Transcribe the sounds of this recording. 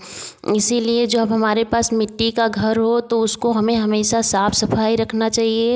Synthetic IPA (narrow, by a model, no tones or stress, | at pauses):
ɪsilied͡ʒoːəbɦɐmaːɾepaːsmɪʈːikaɡʱɐɾɦot̪oʊskoɦɐmẽɦɐmeːʃasaːpʰsɐpʰaːiɾɐkʰnat͡ʃaːɦie